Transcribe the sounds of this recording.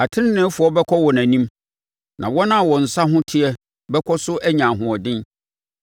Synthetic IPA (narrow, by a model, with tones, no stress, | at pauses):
a˨tʰɪ˦nɪ̃˦nɪ̃˦fʊ˨ɔ˦bɛ˦kʰɔ˦wɔ˨næ̃˨nĩ˦m | nʔã˨wɔ˦nã˦˨wɔ̃˨n̩˨sa˦ɦʊ̃˦tʰɪ˦ɛ˦ | bɛ˦kʰɔ˦sʊ˦ʔæ˦ɲã˨ɦʊ̃˨ɔ˨dɪ̃˦n